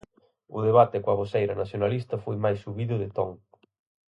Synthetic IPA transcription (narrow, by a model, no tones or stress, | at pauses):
ʊ̰ðeβat̪ɪkoaɣ̞osejɾɐnaθjonalist̪ɐfojmajsːuβiðʊðɪt̪ɔŋ